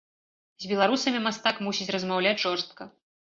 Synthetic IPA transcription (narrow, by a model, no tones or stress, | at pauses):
zʲbʲɛlˠaɾusɐmʲimast̪akmusʲit͡sʲrɐzmawlʲat͡sʲʐɔrst̪̚kɐ